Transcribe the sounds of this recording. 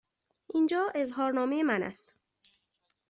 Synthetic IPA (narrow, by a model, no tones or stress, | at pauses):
ʔiːnd͡ʒɒːe̞zɦɒːɾnɒːmejemænæ̰st̪